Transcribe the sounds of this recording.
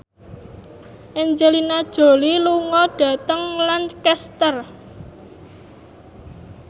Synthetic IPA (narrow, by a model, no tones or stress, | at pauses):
ʔɛnd͡ʒelinad̥ʒ̥o̤liluŋɔɖ̥ä̤t̪əŋlankɛst̪ər